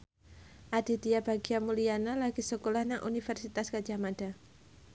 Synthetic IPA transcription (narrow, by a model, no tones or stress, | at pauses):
ʔad̥i̤diab̥aɡiamulianalaɡisəkolahnaŋʔṵnifɛrsit̪askad͡ʒamad̥a